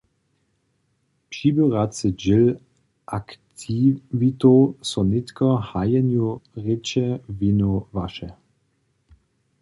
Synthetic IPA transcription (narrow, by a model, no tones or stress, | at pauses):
pʃibøʁat͡sɪd͡ʒɪl | ʔakt̪ʰivit̪osɔnɪt̪kɔhajɛnjuʁɪt͡ʃɛvinuvaʃɛ